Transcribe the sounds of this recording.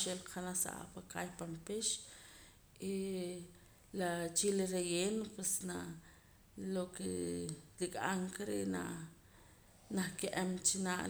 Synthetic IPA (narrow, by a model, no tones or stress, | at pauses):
ʃelqanasa̰ʔa̰pakʼajpampiʃ | i | lat͡ʃiliɾejeːnpwesna | lokḛlikʼaŋkaɾeʔna | nahkeʔemt͡ʃinaʔ